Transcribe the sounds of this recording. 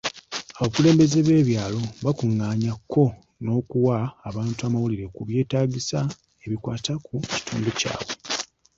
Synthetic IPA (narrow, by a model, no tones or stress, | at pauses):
aβakule̞ːmbe̞zeβe̞ːβjaːlo̞βakuŋːaːɲakːo̞ | no̞ːkuwaːβaːntuamawuliɾe̞kuβje̞ːtaːɟisa | e̞βikwaːtakuci̥tʰṵːmdoca̰ːwe̞